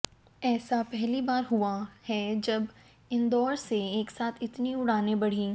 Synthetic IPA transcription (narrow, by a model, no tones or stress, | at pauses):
ɛːsapɛɦlibaːɾɦuahɛd͡ʒɐb | ɪ̃nd̪ɔːɾseeːksaːt̪ʰɪt̪niʊɽ̤aːnebɐɽ̤ĩː